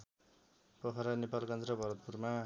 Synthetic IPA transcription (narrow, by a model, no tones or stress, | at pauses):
pʌɦaɾanepalkʌnd͡zɾʌbʱʌɾʌt̪̚purma